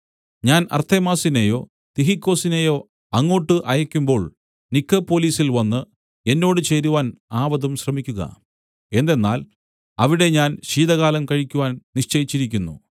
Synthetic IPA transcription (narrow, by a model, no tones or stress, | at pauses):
ɲaːnɐ̰rt̪ʰemaːsinejo̞ː | t̪iɦikːo̞ːsine̞jo̞ː | ɐŋːo̞ːʈːɨʔɐjɐkʲːumbo̞ːɭ | nikːɐpːo̞ːliːsilʋɐnːɨ | e̞nːo̞ːɽɨt͡ɕejɾuʋaːnaːʋɐðumɕrɐmikʲːuɣɐ̰ | e̞nd̪e̞nːa̰ːl | ɐʋiɽe̞ɲaːnɕiːðɐɣaːlɐmkɐɻikʲːuʋaːnniʂt͡ɕɐjit͡ɕːiɾik̬ʲːunːṵ